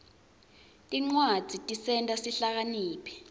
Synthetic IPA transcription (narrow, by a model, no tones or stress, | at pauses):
tʼiŋ͡ǀwad̥z̥ʱitʼisɛntʼasiɬak̬aniːpʰɛ̥